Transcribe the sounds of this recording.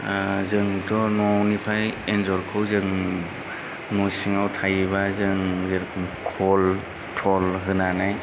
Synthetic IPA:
zɯŋtʰɔnɔnipʰajenzɔɾkʰɯwzɯŋ | nɔjsiŋawtʰajbazɯŋzɯɾkʰɯmkʰɔl | tʰɔlɦɯnanaj

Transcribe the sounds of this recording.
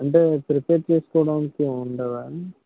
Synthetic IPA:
ɐɳɖepɾɪpeːɾt͡ʃeːsɯ̥kɔːɽaːnkːeʊɳɖɐʋaː

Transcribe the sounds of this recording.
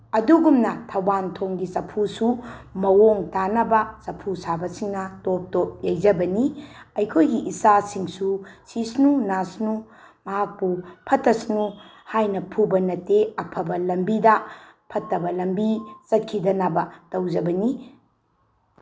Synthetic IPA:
ɐduɡumnɐtʰɐwbantʰoŋɡisɐpʰusumɐwoŋtanɐbɐsɐpʰusabɐsiŋnɐtop̚top̚jajd͡ʒɐbɐniɐjkʰojɡiʔisasiŋsusisnunasnu | mɐɦak̚pupʰɐtɐsnu | hajnɐpʰubɐnɐteɐpʰɐbɐlɐmbidɐpʰɐtːɐbɐlɐmbit͡ʃɐt̚kʰidɐnɐbɐtɐwd͡ʒɐbɐni

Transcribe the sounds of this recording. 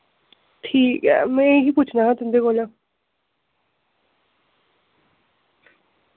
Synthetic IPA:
ʈʰiːkɦɛ̰mɛ̃ɦiːpuːt͡ʃʰnaɦãt̪ʊnd̪eɡoːla

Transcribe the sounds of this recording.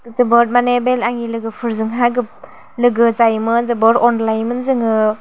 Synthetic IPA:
zɯbɯɾ̚manebelaŋilɯɡɯpʰɯɾzɯŋɦaɡɯp̚ | lɯɡɯzajmɯnzɯbɯɾɔnlajmɯnzɯŋɯ

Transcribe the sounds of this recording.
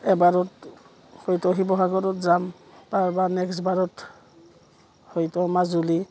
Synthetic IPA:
ɛbaɹɔt | hojtɔɦibɔɦaɡɔɾɔtzam | paɹbanɛksbaɹɔt | hojtɔmazuli

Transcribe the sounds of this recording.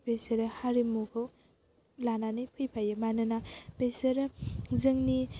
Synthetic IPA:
peseɾehaɾimukʰɯw | lananɯjpʰɯjpʰajɯmanɯnapeseɾzɯŋni

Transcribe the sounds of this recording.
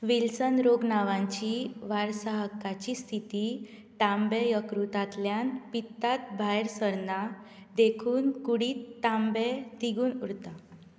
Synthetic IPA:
ʋilsənɾoɡnaʋãɲt͡ɕiːʋaɾsaɦəkːat͡ɕist̪ʰit̪iː | t̪ambejəkɾut̪at̪ljanpit̪ːat̪bʱajɾsəɾnad̪ekʰuːnkuɽiːt̪t̪ːambed̪iɡuːnuɽt̪a

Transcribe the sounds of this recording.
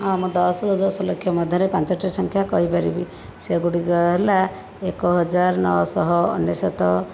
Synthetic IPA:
ɔ̃mũd̪ɔsɔd̪ɔd̪ɔsɔlɔkʰːjɔmɔd̪ʱjɔɾepant͡ʃɔʈːisɔŋkʰjakɔɦipaɾibi | seɡuɽiɡɔɦela | ekɔɦɔd͡ʒaɾnɔ̰wɔ̰sɔɦɔ̰ːnjɔsɔt̪ɔ

